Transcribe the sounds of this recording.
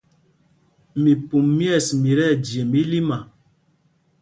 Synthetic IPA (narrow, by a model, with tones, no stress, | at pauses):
mi˨pu˨mːjɛ˦˨smi˨ɾɛ˦˨d͡ʒje˨mbi˦li˦ma˨